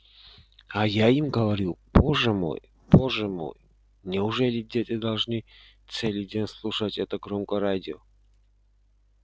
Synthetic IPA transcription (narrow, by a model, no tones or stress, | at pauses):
ajaimɡəvɐɾʲupoʐəmo̰j | boʐəmo̰j | nʲɪʊʐɛlʲɪdʲetʲɪd̪ɐlˠʐnɨ | t̪sɛlʲɪdʲenʲslˠuʂətʲɛt̪əɡɾomkəɾadʲɪo